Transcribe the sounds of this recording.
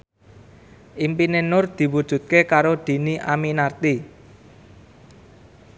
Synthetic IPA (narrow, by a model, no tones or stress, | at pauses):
ʔimpinenʊrd̪̥i̤wud̥ʒ̥ṳt̪̚kekaɾod̪̥i̤niʔaminart̪i